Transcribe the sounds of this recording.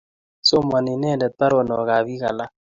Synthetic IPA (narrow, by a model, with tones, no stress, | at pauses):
so˦ma˨nɪ˨nɛ˦˨ndɛ˨ta˦ɾɔ˨nɔ˨ka˨βi˦ka̰˨la˦